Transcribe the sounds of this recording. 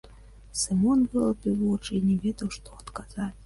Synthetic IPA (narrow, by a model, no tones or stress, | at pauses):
sɨmɔnbɨlˠɐpʲivɔt͡ʂɨinʲɛvʲɛd̪ɐwʂt̪ɔɐt̪kazat͡sʲ